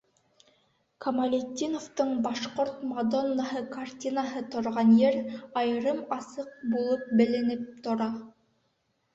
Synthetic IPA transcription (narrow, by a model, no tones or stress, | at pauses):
kʰɐmɐlʲet̪ʲːinoft̪ɤɴbɑʃqoɾt̪mɐd̪onːaɦɤkartʲinaɦɤt̪ŏɾʁɑnjeɾɑjɤɾɤmɑsɤq̚bulˠɤp̚bɘ̆lɘ̆nɘp̚t̪ŏɾɑ